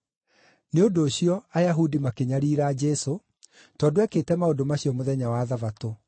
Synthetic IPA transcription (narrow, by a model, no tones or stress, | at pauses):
neondoːɕiɔajaɦudimakeɲaɾiːɾaːd͡ʒɛso | tɔdoɛketɛmaodomaɕiɔmoðɛɲawaːðavato